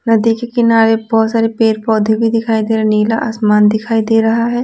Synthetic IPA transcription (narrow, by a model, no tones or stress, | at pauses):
nɐd̪ikekɪnaːɾebɔːt̪saːɾepeːɾpɔːd̪ʱebʱid̪ɪkʰaːid̪eːɾɐniːlaʔa̰ːsmaːnd̪ɪkʰaːid̪eːɾɐɦaɦɛː